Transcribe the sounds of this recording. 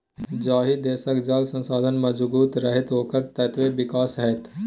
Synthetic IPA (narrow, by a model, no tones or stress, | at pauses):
d͡ʒaːɦid̪eːsəkd͡ʒaːlsə̃nsaːd̪ʱənməd͡ʒbuːt̪ɾəɦɪt̪ɦoːkəɾt̪ɐt̪ʋeʋɪkaːsɦɛt̪